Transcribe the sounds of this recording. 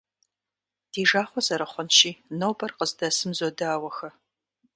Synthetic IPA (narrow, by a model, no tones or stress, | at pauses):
d̥iːʒaːχʷɔzɐɾɐχʷɔnʃiːnoːbɐrqəzdɐsɨmzodɐaːwɐxɐ